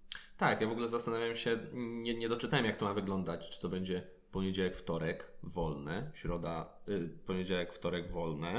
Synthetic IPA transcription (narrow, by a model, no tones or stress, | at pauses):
t̪akjavɔɡulɛzast̪anavʲjamɕɛɲɛɲɛd̪ɔt͡ʂɨt̪awɛmjak̚t̪ɔmavɘɡlɔnd̪at͡ɕt͡ʂɨ̥t̪ɔbɛɲd͡ʑɛ | pɔɲed͡ʑawɛkft̪ɔɾɛkvɔlnɛɕɾɔd̪apɔɲed͡ʑawɛkft̪ɔɾɛɡvɔlnɛ